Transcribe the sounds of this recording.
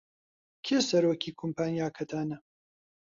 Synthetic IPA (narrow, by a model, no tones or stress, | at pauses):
kʰeːsɐɾoːkʰiːkʰompʰaːnjaːkʰɐt̪ʰaːnɐ